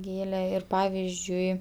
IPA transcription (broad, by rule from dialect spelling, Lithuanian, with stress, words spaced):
ˈɡʲeːlʲɛ ɪr ˈpɑːʋʲɪzʲd͡ʒʲʊɪ